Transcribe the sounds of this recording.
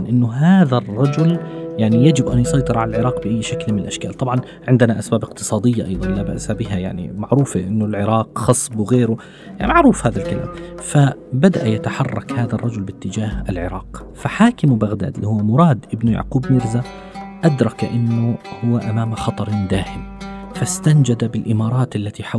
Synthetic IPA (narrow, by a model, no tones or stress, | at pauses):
nʔɪnːʊɦaːðarˤːɑd͡ʒʊljaʕnijad͡ʒɪbʔanjʊsˤɑjt̪ˤɨɾˤʕalalʕɪɾˤɑːqbɪʔajːʃaklmɪnɪlʔaʃkaːlt̪ˤɑbʕɑn | ʕɪnd̪ɪnaʔasbaːbɪqt̪ɨ̥sˤɑːd̪ɪjːaʔɑ̰jðˤɑnlaːba̰ʔsabɪɦaja̰ʕnḭmaʕɾuːfaʔɪnːʊlʕɪɾɑːqxɑsˤbwɣeːɾʊ | jaʕnmaʕɾuːfhaːðalkala̰ːmfabad̪aʔajat̪aħɑrˤːɑkhaːðarˤːɑd͡ʒʊlbɪt̪ːɪd͡ʒaːhalʕɪ̰ɾˤʔɑːq | faħaːkɪmbaɣd̪a̰ːd̪lihʊwːamʊɾˤɑːd̪ʔɪbnʊja̰ʕquːbmɪɾza | ʔad̪ɾˤɑkʔɪnːʊhʊwːaʔamaːmaxɑt̪ˤɑɾˤd̪aːhɪmfast̪and͡ʒad̪abɪlʔɪmɑːɾˤɑːt̪ʔalːat̪iħa